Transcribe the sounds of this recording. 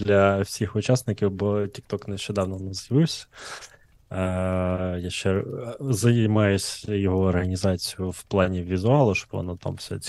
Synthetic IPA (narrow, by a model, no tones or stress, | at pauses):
d̪lʲɐwsʲixʊt͡ʃɑsnɪkʲiwbɔtʲik̚t̪ɔknɛʃt͡ʃɛd̪ɑwnɔnɛzjɐʋɪwsʲɐ̥ | jaʃt͡ʃɛzɐmɑjʊsʲjɔɦɔːrɦɐnʲizɑt͡sʲijʊwplˠɑnʲiʋʲizʊɑlˠʊʃt͡ʃɔ̥bʋɔ̰nɔt̪a̰msʲɛ̰